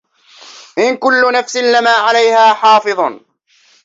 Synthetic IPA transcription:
ʔɪnkʊlːʊnafsɪnlɪmaːʕalajhaːħɑːfɨðˤɑ

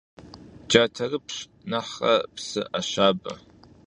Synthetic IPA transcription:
d͡ʒatʰɐrɨpʰɕ | naħɐ̰psɨ̰ʔaʃaːba̰

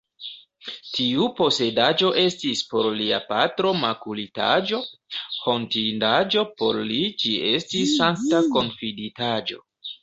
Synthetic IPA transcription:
tiupo̞se̞dad͡ʒo̞ʔe̞stispo̞ɾlia̰patɾo̞makulita̰d͡ʒo̞ho̞ntindad͡ʒo̞po̞ɾlit͡ʃiestisːanktako̞nfiditad͡ʒo̞

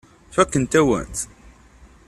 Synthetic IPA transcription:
fækːənt̪æwæ̰nt̪

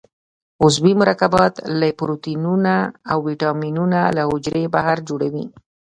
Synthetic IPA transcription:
ʊzwimʊɾɑkabɑt̪lapɾot̪inunaawːiʈɑminunalahʊd͡ʒɾebahaɾd͡ʒoɽawḭ

